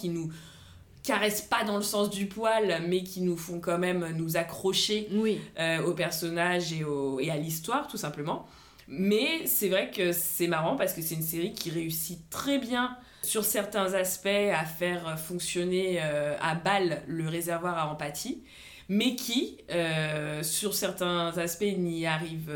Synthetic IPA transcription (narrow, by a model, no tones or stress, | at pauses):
kʲinu | kaʁɛspad̪ɑ̃ləsɑ̃sd̪ypwalmɛkʲʰinufɔ̃kɑ̃mɛmønuzakχɔʃewiøopɛʁsɔnaʒeoealist̪waʁt̪usɛ̃pləmɑ̃ | mɛsɛvʁɛkəsɛmaʁɑ̃paʁsə̥kəsɛt̪ynseʁikʲiʁeysit̪χɛbjɛ̃ | syʁsɛʁt̪ɛ̃zaspɛafɛʁøfɔ̃ksjɔneøa̰balːəʁezɛʁvwaʁaɑ̃pat̪ʰi | mɛkʲʰi | øsyʁsɛʁt̪ɛ̃zaspɛniaʁiv